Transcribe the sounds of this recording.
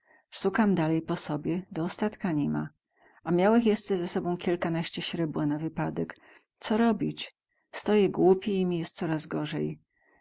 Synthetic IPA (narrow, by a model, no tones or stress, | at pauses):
ʂukamd̪alɛjpɔsɔbʲjɛd̪ɔːst̪at̪kaɲima̰ | ʔamʲjawɘxjɛst̪zɛzɛsɔbɔ̃w̃kʲilkanaɕt͡ɕɛɕɾɛbwanavɘpad̪ɛk | t̪sɔɾɔbʲit͡ɕ | st̪ɔjɛɡwupʲɛimʲijɛst̪̚sɔɾazɡɔʐɛj